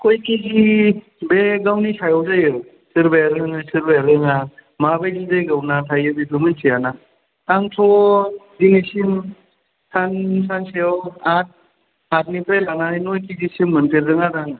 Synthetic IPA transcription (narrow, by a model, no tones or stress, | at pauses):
kʰɔjkiɡi | beɡawnisʰajɔwzajɯ | sɯɾbeɾɯŋasɯɾbeɾɯŋa | mabajdidajɡawnatʰajɯbidɯmɯnsʰijana | taŋtʰɔdinisim | sansanseɔat̚ | at̚nipelanainojkizisimːəntiɾdɯŋadaŋ